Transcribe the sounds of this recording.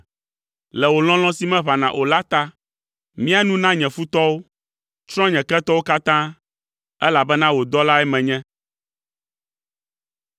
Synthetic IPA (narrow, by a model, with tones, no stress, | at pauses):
lɛ˨wo˨l̃ɔ̃˦l̃ɔ̃˦si˦mɛ̃˦βa˨nã˨ʔo˨la˦t̪a˦ | mĩ˦a˦nũ˦nã˦ɲɛ̃˨fu˦t̪ɔ˦wo˦ | t͡ʃɾ̃ɔ̃˦ɲɛ̃˨kɛ˦t̪ɔ˦wo˦ka˦t̪ã˦ | ɛ˦la˨bɛ˦nã˦wo˨d̪ɔ˦la˦ɛ˦mɛ̃˨ɲɛ̃˦